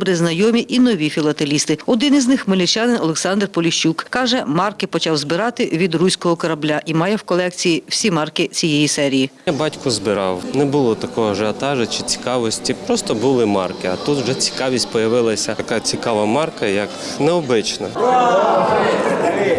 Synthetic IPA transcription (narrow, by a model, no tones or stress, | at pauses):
bɾɪznɐjɔmʲiʔinɔʋʲifʲilˠɐt̪elʲist̪ɪɔd̪ɪniznɪxmelʲit͡ʃʲjɑnɪnɔlˠeksɑnd̪rpɔlʲiʃt͡ʃːukkɑʒɛmɑrkɪpɔt͡ʃɑwzbɪɾɑt̪ɪʋʲid̪rusʲkɔɦɔkɔɾɐblʲaʔimɑjɛwkɔlˠɛkt͡sʲijiwsʲimɑrkɪt͡sʲijɛjisɛɾʲijijabɑtʲkʊzbɪɾɑ̰wnɛbʊlˠɔt̪ɐkɔɦɔʒeɐt̪ɑʒɐt͡ʃɪt͡sʲi̥kɑʋɔsʲtʲipɾɔst̪ɔbʊlˠɪmɑ̰rkɪɐt̪ut̪wʒɛt͡sʲi̥kɑʋʲisʲtʲpɔjɐʋɪlˠɐsʲɐɐkat͡sʲikɑʋɐmɑrkɐjɐk | nɛɔbɪt͡ʃnɐ